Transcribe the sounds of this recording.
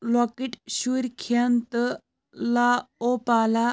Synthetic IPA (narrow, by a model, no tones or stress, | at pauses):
lɔkeʈɕuɾkʰant̪ə | laopala